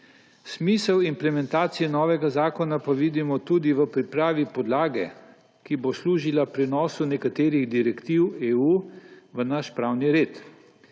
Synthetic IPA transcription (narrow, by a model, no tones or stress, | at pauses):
smiːsəwimplɛmɛnt̪aːt̪sijɛnɔːʋɛɡazaːkɔnapaʋiːd̪imɔt̪uːd̪iʋəpɾipɾaːʋipɔd̪laːɡɛ | kibosluːʒilapɾɛnɔːsunɛkat̪eːɾiɣd̪iɾɛkt̪iweːuːʋənaʃpɾawniɾeːt̪